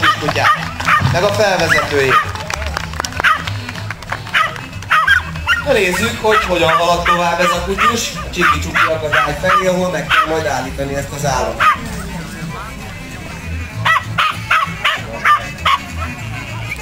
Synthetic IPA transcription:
it̪kucaːt̪mɛɡɒfɛlvɛzɛt̪øːjeː | nøneːzːykho̞cho̞ɟɒɱvɒlɒt̪o̞vaːbːɛzɒkucuʃɒt͡ʃikit͡ʃukiɒkɒd̪aːjfɛleːɒɦo̞lmɛkːɛlmojd̪aːlːiːt̪ɒniɛst̪ɒzaːlːɒmot̪o

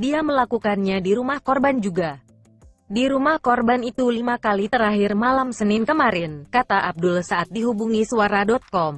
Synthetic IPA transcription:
diaməlakukanɲadiɾumahkɔrband͡ʒuɡa | diɾumahkɔrbanit̪ulimakalit̪əɾaɦɪrmalamsənɪnkəmaɾɪnkat̪aʔab̚dʊlsaːt̪̚diɦubuŋisuaɾadɔt̪̚kɔm

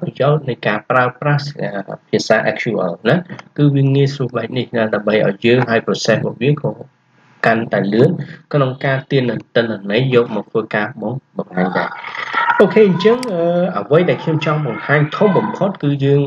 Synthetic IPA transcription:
prɑjaɔt̪̚nɨjkaːpraəprahəpʰiəsaːʔakʰt͡ɕuʔə̰lnakɨːʋiəŋiəsruəhɓaɛk̚nihnaːɗaəmɓəjʔa̰ɔjːəːŋɦaəjprɑsehɓɔ̰ːʔ̚ʋiəkɑː | kant̪aɛlɨənkʰnoŋkaːt̪iənːɨt̪ɨnːanəjːɔːp̚mɑːk̚t̪ʰʋəːkaːɓɑŋɓɑŋhaːɲɗa̰ɛʔoːkʰeːʔɨɲt͡ɕəŋʔəːʔəʋəjɗaɛlkʰɲomt͡ɕɑŋɓɑŋhaːɲt̪ʰumɓɑmpʰot̪̚kɨːjəːŋ

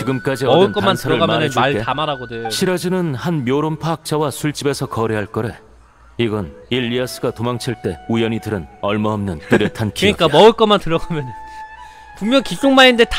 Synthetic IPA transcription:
t͡ɕiɡɯmk͈ad͡ʑiʌʌɯɭɯnkʌamantʰʌɾɯɭamjʌnɯnd͡ʑmaɭɡeamaɾaɡodeoɕʰiɾad͡ʑinɯnhanmjoɾompʰaak̚t͡ɕ͈awasʰuɭt͡ɕ͈ibe̞sʰʌkʌɾeɦaɭk͈ʌɾe̞ | iɡʌniʎːias͈ɯɡatomaŋt͡ɕʰiɭt͈e̞ujʌɲidɯɾɯnʌɭmaʌmnɯnt͈ɯɾjʌtʰankʰiɲik͈amʌɯɭk͈ʌmantɯɾʌɡamjʌnɯn | puŋmjʌŋkit͡ɕ͈oŋmainde̞t

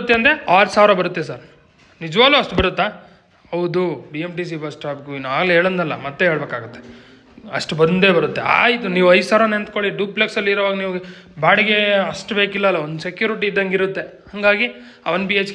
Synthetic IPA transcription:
t̪ːeɐnd̪ɾeaːɾsaːʋɾɐbɐɾut̪ːesɐɾ | nid͡ʒɐʋaːɡluːɐʂʈubɐɾut̪ːaː | hɐwd̪ubiemʈis̬ibɐsʈaːpkuinːuaːɡleeːɭɐnd̪ɐlːɐ̰mɐt̪ːeɦeːɭbeːkaːɡut̪ːe | ɐʂʈbɐnd̪e̞ːbɐɾut̪ːe̞̰a̰ːjit̪uniːʋuɐjsaːʋɾɐnent̪ko̞ɭiɖuːpleksɐlːiɾʋaːɡɐniːʋuɡe | baːɽiɡe̞ɐʂʈbe̞ːkilːɐɐlːɐond̪usekjuːɾiʈ̬iːd̪ːɐŋɡiɾut̪ːe̞hɐŋɡaːɡi | ɐ̰ʋɐnpiːet͡ʃ

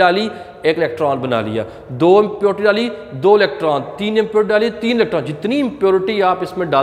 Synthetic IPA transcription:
aːliː | ekɪlɛːk̚ʈɾaːnbəna̰ːlḭːa̰ː | d̪oːɪmpjoːɾʈiːɖaːliːd̪oːɪlɛːk̚ʈɾaːnt̪iːnɪmpjoːɾʈiɖaːliːt̪iːnɪlɛːk̚ʈɾãːnd͡ʒɪt̪niːɪmpjoːɾɪʈiːaːpɪsmẽːɖaː

